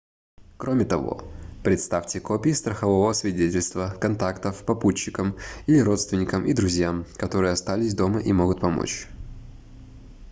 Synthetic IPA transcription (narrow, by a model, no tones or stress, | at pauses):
kɾʔo̞mʲɪt̪ɐvo̰pɾʲɪt̪st̪afʲtʲɪko̞pʲɪːst̪ɾəxɐvovəəsvʲɪdʲetʲɪlʲst̪vəkɐnt̪akt̪əfpɐput͡ɕːɪkəmilʲɪɾo̞t̪st̪vʲɪnʲɪkəmʔid̪ɾʊzʲjamkɐt̪o̞ɾɨjəɐst̪alʲɪsʲd̪o̞məʔimo̞ɡʊt̪̚pɐmo̰t͡ɕ